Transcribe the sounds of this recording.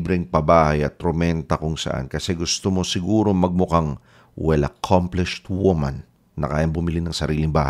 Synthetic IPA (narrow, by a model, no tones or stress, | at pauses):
bɾɛŋpɐbaːhɐjɐt̪ːɾomɛnt̪ɐkʊŋsɐ̰ʔa̰nkɐsɛɡʊst̪omo̞sɪɡuːɾo̞mɐɡ̚mʊkaŋ | wɛlɐ̰kʰamplɪʃt̪wumɐ̰nː | ɐ̰kaːjɐŋbʊmɪlinɐŋsɐɾiːlɪŋbaːha̰